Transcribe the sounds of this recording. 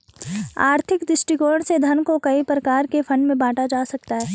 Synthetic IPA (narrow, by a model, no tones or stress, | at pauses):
a̰ːɾt̪ʰɪkd̪ɪsʈikoːɾɽ̃sed̪ʱɐnkokɐipɾɐkaːɾkefʰɐ̃ɳɖmẽbaːʈad͡ʒaːsɐkt̪aɦɛː